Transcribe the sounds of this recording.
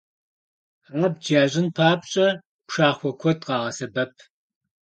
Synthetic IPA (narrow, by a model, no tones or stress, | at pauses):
ʁɐb̚d͡ʒaːʑɪnpʰaːp̚ʼɕʼɐ | pʂaːχʷɔkʷʰɔdʼqɑːʁɐsɐbɐpʰ